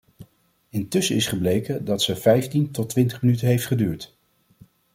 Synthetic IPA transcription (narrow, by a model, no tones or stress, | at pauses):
ɪntɵsəɪsχəblejkədɑtsəvɛjftintɔtʋɪntəχmənytənɦejftχədyːɹt